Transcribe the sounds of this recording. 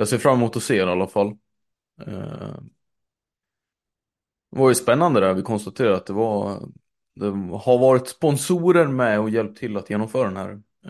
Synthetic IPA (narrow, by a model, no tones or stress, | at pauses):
jɑːseːɾfɾamːɛmuːt̪ɔseːɾalːafal̰ː | vaɾjəspɛnːand̪əd̪æɾvɪkʰɔnst̪at̪ʰeːɾaɾat̪d̪ɛva | d̪ɛhaɾvɑːɾɪt̪spɔnsuːɾəɾmɛɔjɛlp̚t̪ʰɪlːat̪ʰjeːnɔmfœːɾad̪ɛnhæ̰ːɾ